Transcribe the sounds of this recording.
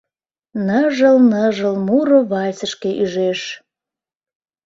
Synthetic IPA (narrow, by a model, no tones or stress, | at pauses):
nəʒəlnəʒəlmuɾoβɑlʲt͡səʃkeʔyʒeʃ